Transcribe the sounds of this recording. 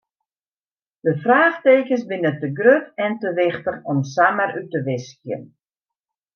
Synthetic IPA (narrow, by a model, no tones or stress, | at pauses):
d̥əfraːχteːkəsbɪnətəɡrøtɛntəʋɪxtəxɔmsamərytəʋɪskjə̰n